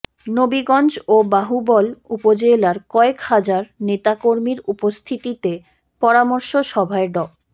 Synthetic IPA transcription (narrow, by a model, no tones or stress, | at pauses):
nobiɡɔnd͡ʑobaɦubɔlupod͡ʑelaɾkɔekhad͡ʑaɾnet̪akoɾmiɾupost̪ʰit̪it̪e | pɔɾamoɾʃoʃɔbʱaeɖɔ